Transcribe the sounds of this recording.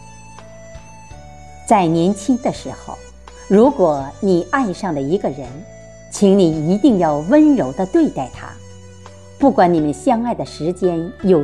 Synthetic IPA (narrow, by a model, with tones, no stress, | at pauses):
t͡sa˥˩ɪnjɛ˧˥nt͡ɕʰi˥ŋd̪ə˨ʂɻ̩˧˥xo̰˧˩ʊ | ɻu˧˥kwɔ˨˩ni˨˩a˥˧ɪʂɑ˥˩ŋd̪ə˩i˧˥ɡə˧ɻə˧˥n | t͡ɕʰi˧˥ŋni˨˩i˧˥t̪i˥˧ŋjɑ˥˩ʊwə˥nɻo˧˥ʊd̪ə˧t̪we˥˧ɪt̪a˥˩ɪt̪ʰa̰˥ | pu˥˩kwa˧˥ni˨˩mə˦nɕjɑ˥ŋa˥˩ɪd̪ə˩ʂɻ̩˧˥t͡ɕjɛ˥njo˨˩